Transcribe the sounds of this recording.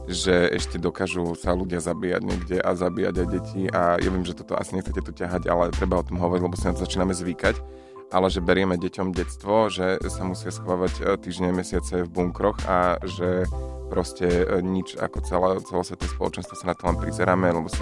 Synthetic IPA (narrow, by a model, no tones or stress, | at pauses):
ʒɛɛ̰ʃcɛd̪ɔkaːʒusaluɟɪazabiːja̰ɟɲɛ̰ɡɟɛʔazabiːja̰ɟajɟɛcʰiʔajʔa̰ʋɪɛmʒɛt̪ɔt̪ɔ̰ʔa̰siɲɛxt͡sɛcɛt̪ucaɦaɟa̰lɛt̪ɾɛbaɔt̪ɔmɦɔʋɔɾiɟlɛbɔsinat̪ɔzat͡ʃiːnamɛzʋikac | ʔalɛʒɛbɛɾɪɛmɛɟɛcɔmɟɛt͡st̪ʋɔʒɛsamusɪasxʋaːʋact̪iːʒɲɛmɛsɪat͡sɛvbuŋkɾɔxa̰ʒɛpɾɔscɛɲit͡ʃa̰kɔt͡sɛlat͡sɛlɔsʋɛt̪ɔʋɛspɔlɔ̰t͡ʃɛnst̪ʋɔsanat̪ɔlɛnpɾizɛɾaːmɛlɛbɔs